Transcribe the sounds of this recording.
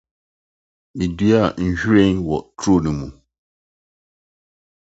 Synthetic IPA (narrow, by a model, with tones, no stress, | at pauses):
mĩ˨di˦a˦˨n̩˨ɕᶣu˦ɾe˦nwɔ˨tʰo˦˨nĩ˨mũ˨